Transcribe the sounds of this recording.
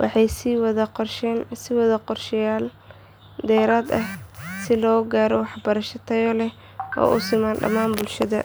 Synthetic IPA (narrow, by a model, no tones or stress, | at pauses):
wʔɑ̰ħɑjsiwɐðɐqɔrʃɛnsɪwɐðɐqɔrʃɪjaːl | d̪ɛːɾaːd̪ɐhsɪlɔːɡaːɾɔwɑħbɐɾɐʃɐt̪ʰɐjɔlɛ | ʔɔ̰ːʔʊsɪmaːnɖɐ̰maːnbʊlʃɐðɐ̰